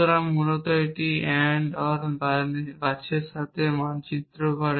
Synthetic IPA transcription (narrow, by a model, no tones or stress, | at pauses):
oɾamːunot̪oeʈiɛɳɖɔɾbabaʃʰeɾʃat̪ʰemant͡ɕit̪ːɾoɡʱɔɽe